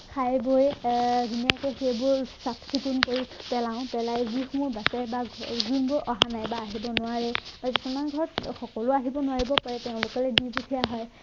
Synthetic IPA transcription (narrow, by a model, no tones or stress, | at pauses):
kʰajbojzinijakɛxejbʊɹsatʰkʰitunkoɹipɛlaʊ̃pɛlajzixmʊbasɛbaɡunbʊɹʔɔɦanajbaːɦibɔnʊwaɹɛb̥akistʰamanɡʱɔɹtxɔkɔlʊaɦibɔnʊwaɹibɔpaɹɛteʊ̃lʊkɔlɛdibukʰijaɦɔj